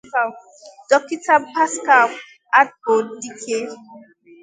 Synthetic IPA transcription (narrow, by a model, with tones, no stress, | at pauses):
a˨ | dɔ˨ki˦ta˦ba˦ska˨w | a˦t̚bo˨ddi˦kʰe˦